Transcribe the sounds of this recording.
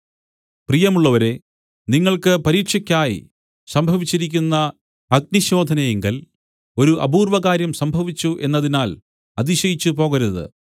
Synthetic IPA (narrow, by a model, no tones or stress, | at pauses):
prijɐmuɭːɐʋɐɾe̞ | niŋːɐɭkɨpɐɾiːʈʂɐkʲːaːjḭ | sɐmbʱɐʋit͡ɕːiɾik̬ʲːunːɐ | ɐɡ̚niɕo̞ːd̪ʱɐnɐjeŋɡɐl | o̞ɾuʔɐbuːrʋɐɣaːɾjɐmsɐmbʱɐʋit͡ɕːuʔe̞nːɐðinaːl | ɐðiɕɐjit͡ɕːupo̞ːɣɐɾuðɨ̰